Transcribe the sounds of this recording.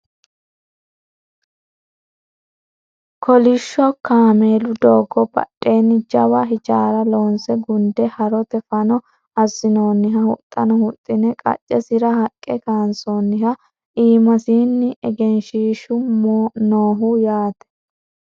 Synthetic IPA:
kʰɔlɪʃːɔkaːmeːlʊd̪oːɡɔbɐ̰tʼːe̞ːnːɪd͡ʒɐbɐɦɪt͡ʃʼaːɾɐloːnsɛɡʊnd̪ɛhɐɾɔt̪ɛfɐnɔ | ɐzɪno̞ːnːɪɦɐhʊt̪ʼːɐnɔhʊt̪ʼːɪnɛkʼɐ̰t͡ʃʼːɛsɪɾɐhɐkʼːɛkaːnsoːnːɪɦɐ | ʔiːmɐsiːnːɪʔɛɡɛnʃiːʃʊmnoːɦʊjaːt̪ɛ̥

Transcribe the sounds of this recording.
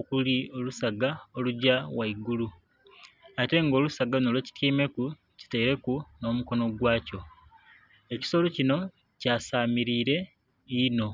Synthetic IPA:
okulio̞lusaɡaoluɟawaiɡulu | ate̞ŋɡo̞ːlusaɡanolweci̥tʰiːme̞ku | ci̥teiɾe̞kuno̞ːmuko̞no̞ɡwaːco̞ | e̞ci̥so̞locino̞ | caːsaːmiɾiːɾe̞ | ino̞

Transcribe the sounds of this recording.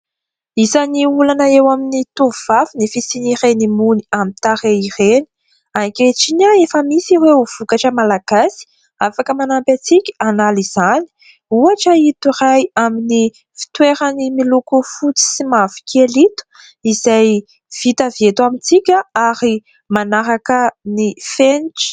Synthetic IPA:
izaniulanaewaminit̪uvuvafinifisinirenimuniamint̪aɾeireni̥ | akʲeʈ͡ʂinaefəmisiwewv̥ukaʈ͡ʂəmalaɡ̥asi̥ | afakəmanampat͡sikʲi̥analiz̥ani̥ | uaʈ͡ʂəit̪iɾajamini | fi̥t̪weɾənimilukufut͡si̥simavi̥kʲʰelit̪u̥ | izaj | v̥it̪avjet̪uamint͡sikʲəaɾi | manaɾakənifenʈ͡ʂi̥

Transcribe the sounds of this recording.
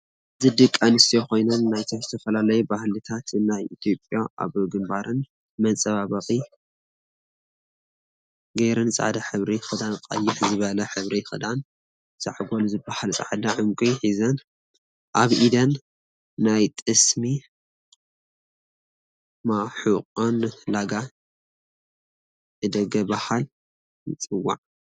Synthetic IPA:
zɨd̪ɨkʼːanɨst̪ʰijoko̞jnɐnːajt̪ʰozɨt̪ʰɐfɐlalɐjubahlɨt̪ʰat̪ɨnajit̪ʰjo̞pʼjaʔa̰βɡɨmbaɾɨn | mɐnsʼɐβaβɐχʼi | ɡɐjɾɨnsʼa̰ʕd̪aħɨβɾixɨd̪anqʼɐ̰jːɪħzɨβɐlɐħɨβɾixɨd̪an | sʼa̰ʕɡo̞lzɨbːahalt͡sʼa̰ʕd̪aʕɨŋkʼujħizɐn | ʔaβʔid̪ɐnː | ajt̪ʼɨsmi | maħuqʼonlaɡa | ʔɨd̪ɐɡɐbahal | jɨt͡sʼɨwːa̰ʕ

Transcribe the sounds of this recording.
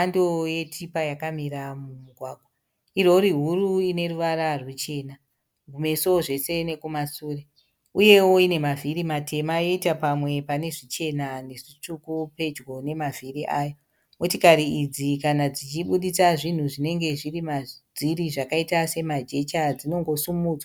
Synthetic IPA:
andoje̞tʰipajakamiɾamumuɡʱwaːɡʱwa | iro̞ɾiɦuɾuine̞ruʋaɾarwet͡ʃe̞ːna | ɡʱume̞soʐe̞se̞ne̞kumasuːre | uje̞wo̞ine̞mavʱiɾimatʰe̞majoitapamwe̞pane̞ʐit͡ʃe̞nane̞ʐit͡ʂukupe̞d͡ʒɡo̞ne̞maviriʔaːjo | mutikaɾiid͡zikanad͡zit͡ʃiɓuɗisaʐin̤uʐine̞ŋɡe̞ʐirimad͡ziriʐakaitase̞mad͡ʒe̞t͡ʃad͡zino̞ŋɡo̞sumuːd͡zwa

